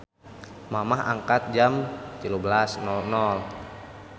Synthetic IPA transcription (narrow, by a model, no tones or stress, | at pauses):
mamaɦa̰ŋkat̪̚d͡ʒamt̪ilubəlasnɔlnɔl